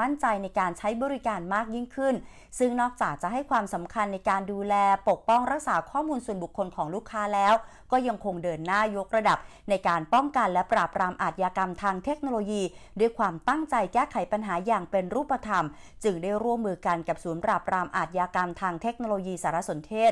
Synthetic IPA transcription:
a˥˩nt͡ɕa˧jna˧jkaː˧nt͡ɕʰa˦˥jbɔː˧ɾi˦˥kaː˧nmaː˥˩k̚ji˥˩ŋkʰɯ˥˩n | sɯ˥˩ŋnɔː˥˩k̚t͡ɕaː˨˩k̚t͡ɕa˨˩ɦa˥˩jkʰwaː˧msa˩˦mkʰa˧nːa˧jkaː˧nduː˧lɛː˧po˨˩k̚pɔ˥˩ŋɾa˦˥k̚saː˩˦kʰɔː˥˩muː˧nsu˨˩ənbu˨˩kʰːo˧nkʰɔː˩˦ŋluː˥˩kʰːaː˦˥lɛː˦˥wkɔː˥˩ja˧ŋkʰo˧ŋdɤː˧nːaː˥˩jo˦˥k̚ɾa˧da˨˩p̚ | na˧jkaː˧npɔ˥˩ŋka˧nlɛ˦˥pɾaː˨˩p̚ɾaː˧mʔaː˨˩t̪̚jaː˧ka˧mt̪ʰaː˧ŋt̪ʰe˦˥k̚no˧loː˧jiː˧du˥˩əjkʰwaː˧mt̪a˥˩ŋt͡ɕa˧jkɛː˥˩kʰa˩˦jpa˧nɦaː˩˦jaː˨˩ŋpe˧nɾuː˥˩pːa˧t̪ʰa˧m | t͡ɕɯ˧ŋdaː˥˩jɾu˥˩əmːɯː˧ka˧nka˨˩p̚suː˩˦npɾaː˨˩p̚ɾaː˧mʔa̰ː˨˩t̪̚jaː˧ka˧mt̪ʰaː˧ŋt̪ʰe˦˥k̚noː˧loː˧jiː˧saː˩˦ɾa˦˥so˩˦nt̪ʰeː˥˩t̪

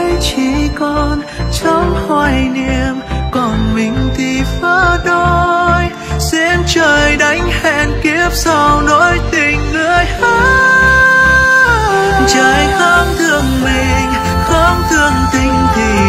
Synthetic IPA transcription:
jt͡ɕi˧˩kɔ˧n | t͡ɕɔ˧˦ŋ͡mhwaː˧˩jni˧əmkɔ˨˩nmï˨˩ŋ̟t̪i˧˩faː˧˥ɗo˧j | sɛ˧˥mt͡ɕəː˨˩jɗa˨˦jŋ̟hɛ˧˨nki˧˥əp̚sa˧wno˧˦˥jt̪ï˧˨˩ŋ̟lɨ˧˥əjha˧˦ | t͡ɕəː˧˨˩jkɔ˧˦nt̪ʰɨ˧˩əŋmï˨˩ŋ̟ | kɔ˧˦nt̪ʰɨ˧˩əŋt̪ï˧˩ŋ̟t̪ʰi˨˩

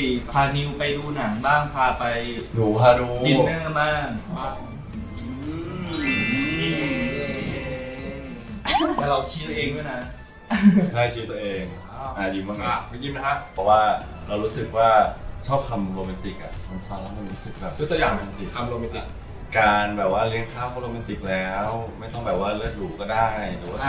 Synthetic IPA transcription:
i˩˨˩pʰaː˧ni˧wpa˧jduː˧na˩˦ŋbaː˥˩ŋpʰaː˧pa˧jnuː˨˩˦pʰaː˧nuː˨˩˦i˨˩nɯ˥˩˨maː˥˩ŋ˧˩ | ɯ˧˦ | ɛː˥˧˩ɾa˧wt͡ɕʰi˦˥˧ʔeː˧ŋduː˥˩jna˦˥ | t͡ɕʰa˥˩jt͡ɕʰiː˦˥t̪ːʔeː˧ŋ | ʔaː˨˩jiː˨˩ma˧˩ka˦˧˥k̚ma˥˩jiː˥˩mna˦˥kʰa˦˥ʔpʰɛ˨˩waː˥˩ | ɾa˧wɾuː˦˥sɯ˨˩k̚waː˥˩t͡ɕʰɔː˥˩p̚t̪ʰa˧mɾoː˧mɛ˧nt̪i˨˩k̚ʔa̰˨˩ʔma˧nkʰwaː˧ŋla˦˥mo˧nɾuː˦˥sɯ˨˩k̚bɛː˨˩p̚jo˦˥t̪u˧jaː˨˩ŋma˧a˧t̪i˨˩t̪ʰa˧mɾoː˧mi˧nt̪i˨˩k̚ | kaː˧nbɛː˨˩p̚waː˥˩li˦˥əŋkʰaː˥˩kʰɔ˧˦˥ɾoː˧mi˧nt̪i˨˩k̚lɛː˦˥wma˥˩jt̪ɔ˥˩ŋbɛː˨˩p̚waː˥˩lɯ˥˩ət̪̚luː˨˦kɔː˥˩daː˥˩jlɯː˨˦waː˥˧˩

